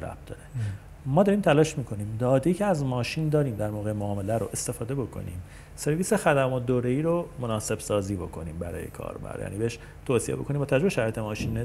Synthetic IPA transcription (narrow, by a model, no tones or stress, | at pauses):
ɾæ̰b̚d̪ɒ̰ɾe | mɒːd̪ɒːɾiːmt̪ʰælɒːʃmiːkʰo̞niːmd̪ɒːd̪eiːcʰeæzmɒːʃiːnd̪ɒːɾiːmd̪æɾmoːɣejmoːme̞læɾo̰ʔe̞st̪e̞fɒːd̪e̞bo̞kʰo̞̰nḭːm | se̞ɾviːsexæd̪æmɔt̪̚d̪oːɾeiːɾomonɒːse̞bsɒːziːbo̞kʰo̞niːmbæɾɒ̰ːjḛkʰɒ̰ːɾbæ̰ɾjæ̰ːniːbeeʃ | t̪ʰoːsiebo̞kʰoniːmbɒːt̪ʰææd͡ʒɾoeʃæɾɒːjet̪e̞mɒːʃiːne